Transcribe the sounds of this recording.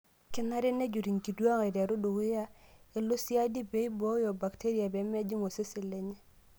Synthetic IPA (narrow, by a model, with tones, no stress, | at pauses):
kɪ˦na˦ɾɪ˦ne˦d͡ʒu˨ɾi˨ŋki˨dwa˦ŋa˨da˨ɾo˦do˨ɣɪ˦ja˦e˦lo˦sja˦di˦be˦i˦bɔ˦jɔ˨ba˨kte˦ɾi˦a˨bɛ˨˦mɛ˦d͡ʒi˦ŋo˨se˦sɪ˨le˦ɲe˦